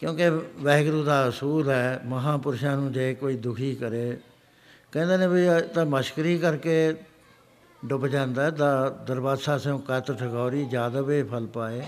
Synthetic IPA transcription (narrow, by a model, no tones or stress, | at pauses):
kjõːkeʋɛːɡɾuːd̪aːɦʊsuːlɦɛːməɦãːpʊɾʃãːnũːd͡ʒeːkoːiːd̪ʊkʰiːkəɾeː | kɛ̃ːnd̪eːnẽːbit̪ãːməʃkəɾiːkəɾkeː | ɖʊbd͡ʒãːnd̪aːɛːt̪ãːd̪əɾbaːsaːseõːkət̪ʈʰəkaːɾiːd͡ʒjaːd̪aːbeːpʰəlpaːeː